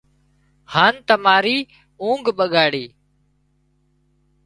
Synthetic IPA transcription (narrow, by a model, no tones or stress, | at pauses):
haːnt̪əmaːɾiː | ũːŋɡɓəɠaːɽiː